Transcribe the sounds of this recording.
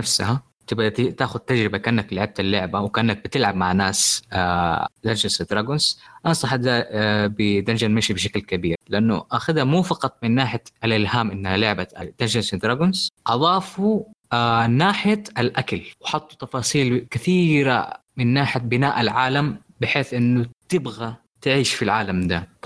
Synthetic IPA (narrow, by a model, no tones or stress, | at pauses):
afsaha | t̪ɪbat̪ɪt̪aːxʊd̪̚t̪ːad͡ʒɾɪbakaʔnːaklɪʕɪb̚t̪alːʊʕbawkaːnːak̚bɪt̪ɪlʕab̚maʕnaːsad̪and͡ʒɪnsd̪ɾaɡʊnzʔansˤɑħad̪abɪd̪and͡ʒanmaʃibɪʃaklkabiːɾlɪʔanːʊ̰ʔaxad̪hamuːfɑqɑt̪ˤmɪnːaːħɪjaʔalʔɪlhaːmʔɪnːhalʊʕbaʔad̪̥and͡ʒansd̪ɾaɡʊnzʔɑðˤɑːfuanːaːħɪjaʔalʔakalwɪħɑt̪ˤːu̥t̪ɑfɑːsˤiːlkɪθiːɾa̰mɪnːaːħɪabɪnaːʔalʕaːlam | bɪħeːθʔɪnːʊt̪ɪbɣa | t̪ɪʕiːʃfilʕaːlamd̪a